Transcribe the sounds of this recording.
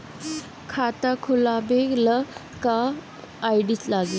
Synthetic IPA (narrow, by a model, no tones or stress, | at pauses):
kʰat̪akʰulabeklə | kaː | jɖislaɡi